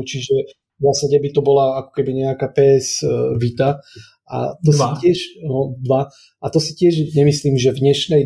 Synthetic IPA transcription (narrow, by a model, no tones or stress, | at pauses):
t͡ʃiʒɛ | vzaːsaɟɛbit̪ɔbɔlaakɔ̥kɛbiɲɛakaːpɛːɛzʋit̪a | a̰t̪ɔsicɪɛʃnɔd̪ʋa | at̪ɔsi̥cɪɛʒɲɛmisliːmʒɛvɲɛʃnɛj